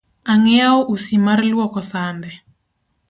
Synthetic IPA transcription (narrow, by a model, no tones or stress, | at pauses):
aŋɛaɔʔusimarlwɔkɔsanbɛ